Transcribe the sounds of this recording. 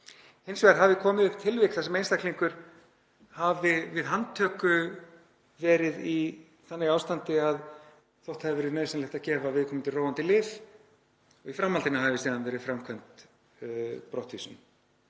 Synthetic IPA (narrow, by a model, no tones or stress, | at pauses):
hensvɛɾɦavɪkʰɔːmɪðʏhpt̪ʰɪlvɪkθasɛmejnst̪ahkliŋkʏɾ̥ | havɪvɪðɦant̪ʰœːkʏ | vɛːɾɪði | θanːɪiaːwst̪ant̪ɪað | θowht̪haðɪvɛɾɪðnœːɥsɛnlɛht̪acɛːvavɪðkʰɔmɪnt̪ʰɪlrowant̪ɪlɪːv | ɔɣifɾamːalt̪ɪnaɦavɪsiːðanvɛːɾɪðfɾamkʰvœnt̪ | pɾɔht̪visʏn